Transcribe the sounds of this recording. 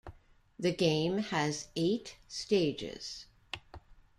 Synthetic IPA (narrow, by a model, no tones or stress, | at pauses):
ðɨɡẽɪ̃mɨzeɪtsteɪd͡ʒɪ̰z̥